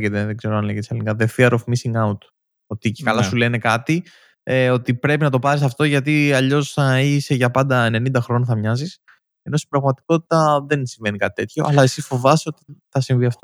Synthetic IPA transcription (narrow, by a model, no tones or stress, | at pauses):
ʝet̪eðeɡze̞ɾoɐnleʝt̪isɐlinkɐðefiɐɾofmisiŋɡɐunt̪ | o̞t̪icekɐlɐsule̞ne̞kɐt̪i | o̞t̪ipɾe̞pinɐt̪opɐɾis̬ɐft̪o̞ʝɐt̪iɐʎo̞sɐiseʝɐpɐnd̪ɐene̞nind̪ɐxɾo̞nθɐmɲɐzis | e̞no̞si̥bɾɐɣmɐt̪i̥ko̞t̪i̥t̪ɐðe̞nsiɱve̞nikɐt̪i̥t̪e̞t̪ço̞ʔɐ̰lɐe̞sisfo̞vɐso̞t̪iθɐsiɱviɐft̪o